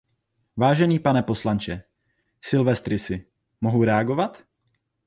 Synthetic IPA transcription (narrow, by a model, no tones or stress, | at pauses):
vaːʒɛniːpanɛpo̞slant͡ʃɛ | sɪlvɛst̪ɾɪsɪ | mo̞ɦuɾɛaɡo̞vat̪